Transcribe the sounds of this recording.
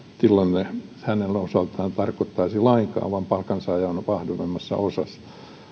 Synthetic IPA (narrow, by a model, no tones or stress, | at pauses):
silːonnehænelosɑlt̪ɑːnt̪ɑrkot̪ːɑisilɑiŋkɑ̰ːʋɑmpɑlkɑnsɑjɑonʋɑhdoʋemːɑsːɑ̰osɑs